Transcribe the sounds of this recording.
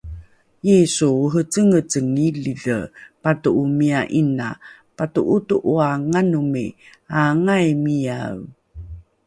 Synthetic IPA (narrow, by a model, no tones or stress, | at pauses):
jesuuɦət͡səŋət͡səŋiliɮə̰patuʔumiaʔina̰ | patuʔutuʔuaŋanumḭaŋajmijaw